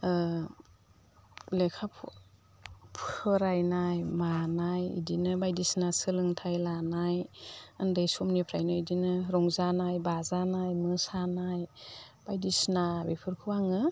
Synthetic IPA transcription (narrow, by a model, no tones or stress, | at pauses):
lekʰapʰ | pʰɯɾajnajmanajḭdinɯbajdisnasɯlɯŋtʰajlanajandajsumnipʰɾajnɯidinɯɾɔŋzanajbazanajmɯsanajb̥ajdisnabipʰɯɾkʰɯwaŋɯ